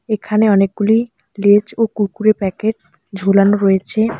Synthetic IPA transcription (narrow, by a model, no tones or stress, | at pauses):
ekʰaneɔnek̚ɡuli | led͡ʑokuɾkuɾepɛkeʈ̚ | d͡ʑʱolanoɾoet͡ɕʰe